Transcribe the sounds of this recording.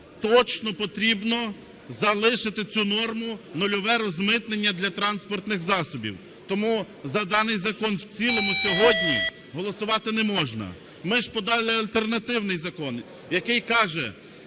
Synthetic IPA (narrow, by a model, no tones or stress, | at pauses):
t̪ɔt͡ʃnɔpɔt̪ɾʲibnɔ | zɐlˠɪʃɪt̪ɪt͡sʲunɔrmʊnʊlʲɔʋɛɾɔzmɪt̪nenʲːɐd̪lʲɐt̪ɾɑnspɔrt̪nɪxzɑsɔbʲḭw | t̪ɔmu | zɐd̪ɑnɪjzɐkɔnwt͡sʲilˠɔmʊsʲɔɦɔdʲnʲi | ɦɔlˠɔsʊʋɑt̪ɪnɛmɔʒnɐ̰ | mɪʒpɔd̪ɑlˠɪɐlʲt̪ernɐt̪ɪwnɪjzɐkɔn | jɐkɪjkɑʒɛ